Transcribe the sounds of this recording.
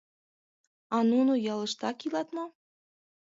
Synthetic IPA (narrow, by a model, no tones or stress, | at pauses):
ɑnunujɑlˠɤ̆ʃt̪ɑkilˠɑt̪mɑ